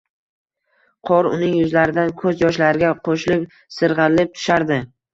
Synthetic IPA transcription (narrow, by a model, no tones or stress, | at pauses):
qʰɒɾʊ̰nɪŋjʊzlaɾɪd̪ankʰɵzjɒʃlaɾɪɡʲaqʰoʃlɪkʲ | sɨɾʁɨlɪp̚t̪ʰʊ̥ʃaɾd̪ɪ